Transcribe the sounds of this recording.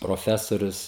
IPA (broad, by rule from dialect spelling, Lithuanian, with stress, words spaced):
proːˈfʲæːsoːrʲʊs